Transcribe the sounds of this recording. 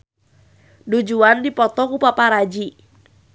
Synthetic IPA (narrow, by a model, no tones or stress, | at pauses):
dud͡ʒuandipɔt̪ɔkupapaɾad͡ʒi